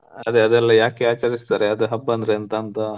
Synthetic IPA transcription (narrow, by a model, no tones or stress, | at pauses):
ɐd̪eɐd̪ɛlːɐjaːkeaːt͡ʃaɾist̪aːɾeɐd̪uɦɐbːɐnd̪ɾeɐnt̪ɐːnt̪ɐ